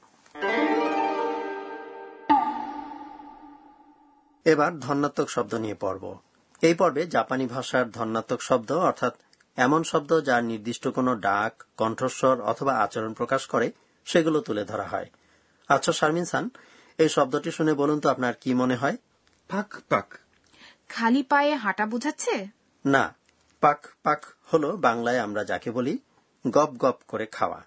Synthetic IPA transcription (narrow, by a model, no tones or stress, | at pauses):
ebaɾd̪ʱɔɾnːat̪ːokʃɔb̚d̪oniepɔ̰ɾbo̰ | ejpɔɾbed͡ʑapanibʱaʃaɾd̪ʱɔnːat̪ːokʃɔb̚d̪oɔɾt̪ʰat̪ | ɛmonʃɔb̚d̪od͡ʑaɾniɾd̪iʃʈokonoɖakːɔɳʈʰoʃoɾɔ̰t̪ʰobaa̰t͡ɕaɾonpɾokaʃkɔɾe | ʃeɡulot̪uled̪ʱɔɾa̰ɦɔ̰e | atːɕʰaʃaɾminsan | ejʃɔb̚d̪oʈiʃunebolunt̪oapnaɾkimoneɦɔe | pakpa̰k | kʰalipaeeɦaʈabud͡ʑʱatːɕʰe | na̰ | pakpakholobaŋlaeamɾad͡ʑa̰keboli | ɡɔp̚ɡɔpkoɾekʰa̰oa̰